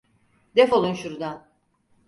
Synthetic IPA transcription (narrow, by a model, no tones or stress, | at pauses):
d̪ɛfo̞lˠunʃuɾd̪an